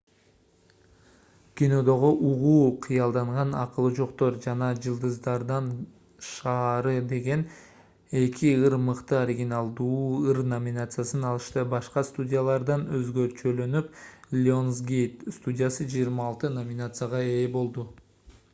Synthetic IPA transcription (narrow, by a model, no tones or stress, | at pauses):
kʲino̞d̪o̞ʁo̞ʔuʁuːqʰɯjɑlˠd̪ɑɴʁɑnɑqɯlˠɯd͡ʒo̞qt̪o̞ɾd͡ʒɑnɑd͡ʒɯlˠd̪ɯzd̪ɑɾd̪ɑn | ʃɑːɾɯd̪e̞ɡe̞n | e̞kʰiɯɾmɯqt̪ɯoɾʲiɡʲinalˠd̪uːɯɾnomʲɪnat̪sɨjasɯnɑlˠɯʃt̪ɯbɑʃqɑst̪udʲijalˠɑɾd̪ɑnøzɡø̞ɾt͡ʃø̞lø̞nyplʲonzɡʲejt̪st̪udʲɪjasɯd͡ʒijːɾmɑːlˠt̪ɯnomʲɪnat̪sɨjaʁɑe̞ːbo̞lˠd̪u